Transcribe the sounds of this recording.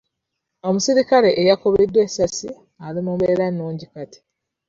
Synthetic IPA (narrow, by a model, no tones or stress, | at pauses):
o̞musiɾikale̞ʔːjako̞βedːwesasi | alimumbeɾanːuːɲɟikati̥